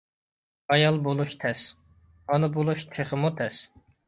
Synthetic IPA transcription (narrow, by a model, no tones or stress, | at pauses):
ɑjɑlˠbolˠuʃt̪ʰɛs | ɑnɨbolˠuʃt̪ʰeχəmut̪ʰɛs